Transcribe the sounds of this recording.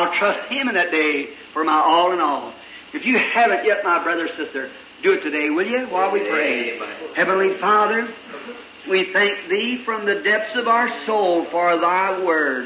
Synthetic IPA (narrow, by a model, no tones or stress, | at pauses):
alˠtʰɹ̥ʌst̚hɪ̃mɨ̃nðɨt̚d̥eɪ | fə˞maɪʔɔlˠə̃nɔlˠ | ɨfjɨhævɨ̃nʔjɛt̚maɪbɹʌðə˞sɪstə˞ | dɨɨtʰɨdeɪwɪlˠjɨwaɪwipʰɹ̥eɪhɛvə̃nlifɑðə˞ | wiθæ̃ŋk̚ðifɹʌ̃mðɨdɛp̚θsʌvaʊə˞soʊlˠfə˞ðaɪwɜ˞d̥